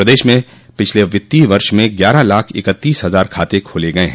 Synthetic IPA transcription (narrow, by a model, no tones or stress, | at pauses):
əd̪eːʃmẽ | pɪt͡ʃʰleʋɪt̪ːiʋɐɾʃmẽɡjaːɾalaːkʰɪ̰kət̪ːiːsɦɐzaːɾkʰaːt̪ekʰoːleɡɐeɦɛ̃ː